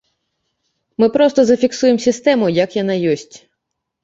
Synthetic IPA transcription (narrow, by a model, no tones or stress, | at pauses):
mɪpɾɔst̪ɔzɐfʲiksujemsʲist̪ɛmʊjɐkjɐnɑjɔsʲtʲ